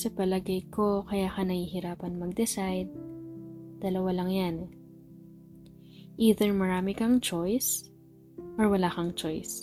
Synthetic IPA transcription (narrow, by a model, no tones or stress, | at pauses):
sɐpɐlɐɡɐjko̞kɐjaːkɐnɐhihɪɾaːpɐnmɐɡ̚d̪ɛsajd̪̚ | d̪̥ɐlɐwalɐŋjan | ʔiːðɛɹmɐɾaːmɪkɐŋt͡ʃojs | ʔɔɹwɐlaːkɐŋt͡ʃojs